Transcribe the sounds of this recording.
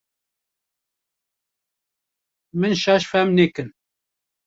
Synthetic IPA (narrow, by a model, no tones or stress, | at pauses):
mɨnʃɛʃfɛmnekɨn